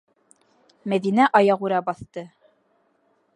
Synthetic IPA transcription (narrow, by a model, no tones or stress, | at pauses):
mæðinæʔɑjɑʁuɾæbɑθt̪ɤ